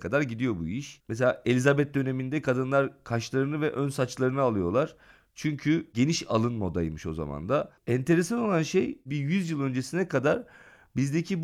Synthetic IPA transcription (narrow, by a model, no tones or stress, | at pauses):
kʰad̪aɾɟid̪ijo̞buiʃmɛs̬e̞lʲaːʔe̞lʲizabɛt̪̚d̪ø̞ne̞mind̪ɛkʰad̪ɯnlˠaɾkʰaʃlˠaɾɯnɯvɛʔø̞nsat͡ʃlˠaɾɯnɯalˠɯjo̞lˠaɾ̥ | t͡ʃʰyɲcʰyɟe̞niʃa̰lˠɯnmod̪ajmɯʃo̞̰za̰ma̰nd̪aɛnt̪ʰe̞ɾesano̞lˠanʃejbijyzjɯlˠø̞nd͡ʒesinɛkad̪aɾ | bizd̪ecʰib